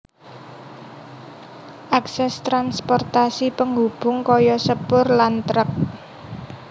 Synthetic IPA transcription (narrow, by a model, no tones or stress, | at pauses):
ʔaksɛst̪ɾanspɔrt̪asipəŋub̥ʊ̤ŋkɔjɔsəpʊrlant̪ɾək̚